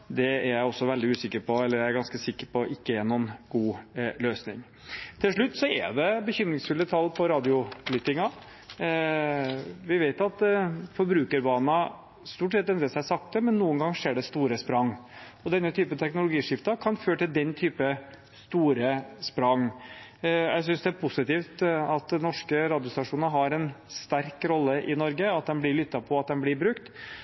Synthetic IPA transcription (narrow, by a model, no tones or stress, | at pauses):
d̪ɛæɾjæɪɔsːɔʋɛld̪ɪʉːsɪkːəɾpʰɔɛlːəɾjææɾɡɑnskəsɪkːəɾpʰɔʔɪkːəɛnɔnɡ̥uːløːsnɪ̰ŋ | t̪ʰɪlʂɭʉt̪ːsɔɛ̰ɖ̪ɛbəçʏmɾɪŋsfʉlət̪ʰɑlːpʰɔɾɑːd̪ɪʊblyt̪ɪŋɑ | ʋɪʋeɪt̪ɑt̪fɔɾbɾʉːkəɾbɑːnɑ | st̪uːʈsɛt̪ːɛnɾəsæɪsɑk̚t̪̚d̪ɛmɛnːuːənɡɑŋːʂeːɖɛst̪uːɾəspɾɑŋː | ɔd̪ɛnːət̪ʰyːpət̪ʰɛknʊlʊɡiːʂɪft̪ɑkʰɑnføːɾʈ̪ɪld̪ɛnt̪ʰyːpə | st̪uːɾəspɾɑŋ | jæ̰ɪs̬ʏnsd̪ɛæɾpʰʊsɪt̪iːft̪ɑt̪nɔʂkəɾɑːd̪ɪʊst̪ɑʂuːnəɾɦɑɾɛnst̪æɾkɾɔlːəʔɪnɔɾɡəɑt̪̚d̪ɛnblɪɾɭʏt̪ːɑpʰɔɑt̪̚d̪ɛnblɪbɾʉkt̪